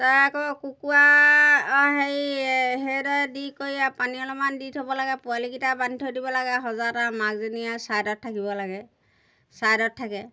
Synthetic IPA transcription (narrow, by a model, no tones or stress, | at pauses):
taakɔkukua | ɦejɦeɾɔdikojapaniɔlɔmanditʰɔbɔlaɡɛpualikitabantʰɔdibɔlaɡɛɦɔzatamaɡziniasajdɔt̚ʰːakibɔlaɡɛ | sajdɔtʰːakɛ